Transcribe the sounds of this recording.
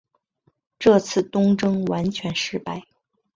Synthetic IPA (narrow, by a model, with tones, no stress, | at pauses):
ʈ͡ʂɤ˥˧t͡sʰɹ̩˥˩t̪ʊ˥ŋʈ͡ʂɤ˥ŋwa˧˥nt͡ɕʰɥɛ˧˥nʂɻ̩˥˧pa˥˩ɪ